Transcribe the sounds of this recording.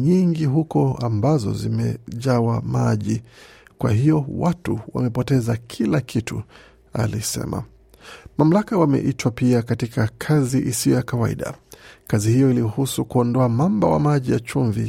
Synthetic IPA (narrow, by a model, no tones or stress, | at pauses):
ɲiŋɡiɦukɔambazɔ̰zimɛ̰ʄawamaʄikwahijɔwatuwa̰mɛpɔtɛzakʰilakʰitṵ | a̰lisɛ̰ma̰ | mam̩lakawamɛ̰ʔitwapiakatikakʰaziʔisijɔjakawaḭɗa̰kazihijɔilihusukuɔndɔamambawa̰maʄijat͡ʃuɱvi